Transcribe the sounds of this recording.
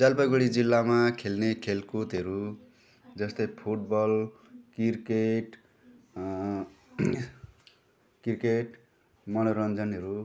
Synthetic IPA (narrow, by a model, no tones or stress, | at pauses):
d͡zalpʌɡuɽid͡zilːamakʰelnekʰelkut̪ɦʌɾu | d͡zʌst̪ʌjpʰuʈ̚bʌl | kirkeʈ | kirkeʈ | mʌnoɾʌnd͡zʌnɦʌɾu